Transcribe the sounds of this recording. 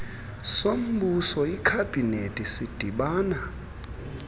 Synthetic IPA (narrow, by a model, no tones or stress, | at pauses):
som̩ɓusɔikʰab̥ʱinetʼisid̥ʱiɓaːna